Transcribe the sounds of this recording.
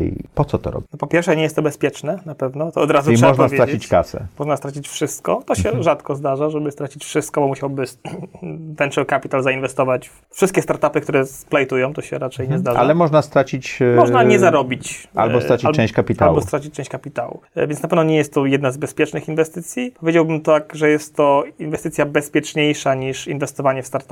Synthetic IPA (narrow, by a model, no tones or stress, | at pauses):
pɔt̪sɔt̪ɔ̰ɾɔ̰bʲnɔpɔpʲjɛɾfʂɛɲɛjɛst̪ːɔbɛspʲjɛt͡ʂnɛnapɛvnɔt̪ɔɔd̪ɾazuʂmɛaɔʐnavʲjeɾad͡ʑit͡ɕkasɛ̰mɔʐnast̪ɾat͡ɕit͡ɕfʂɘst̪kɔ̰t̪ɔɕɛʐat̪kɔzd̪aʐaʐɛbɘst̪ɾat͡ɕit͡ɕfʂɘst̪̚kɔbɔmuɕawbɘ | vɛnʂɛwkapʲit̪alzainvɛst̪ɔvat͡ɕ | fʂɘst̪̚kʲɛst̪aɾt̪apɘk̚t̪uɾɛsplɛjt̪ujɔ̃w̃t̪ɔɕɛ̰ɾat͡ʂɛjɲɛzd̪aʐa̰alɛmɔʐnast̪ɾat͡ɕit͡ɕmmɔʐnaɲɛzaɾɔbʲit͡ɕa̰lbɔɾat͡ɕialt͡ʃɛ̃ɕt͡ɕkapʲit̪abɔst̪ɾat͡ɕi̥t͡ɕ̚t͡ʂɛ̃ɕt͡ɕʲkapʲit̪awṵvʲjɛnnapɛvnɔɲɛjɛst̪ːɔjɛd̪nazbɛspʲjɛt͡ʂnɘxinvɛst̪ɘt̪sʲjipɔvʲjed͡ʑawbɘmt̪akʐɛjɛst̪ːɔinvɛst̪ɘt̪sʲjabɛspʲjɛt͡ʂɲejʂaɲiʂinvɛst̪ɔvaɲɛfst̪aɾt̪a